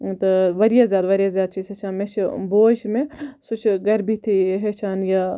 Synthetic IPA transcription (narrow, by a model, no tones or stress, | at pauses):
t̪ɐʋɐɾjaːzjaːd̪ʋɐɾjaːzjaːd̪̚t͡ʃiːzɦeːt͡ʃʰaːnmẽt͡ʃʰboːʃmẽsʊt͡ʃʰɡɐɾbʱit̪ʰiɦeːʃʰaːnja